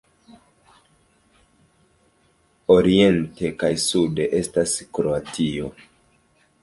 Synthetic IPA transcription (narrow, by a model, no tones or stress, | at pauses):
o̞ɾie̞nte̞kajsude̞ʔe̞staskɾo̞atʰio̞̰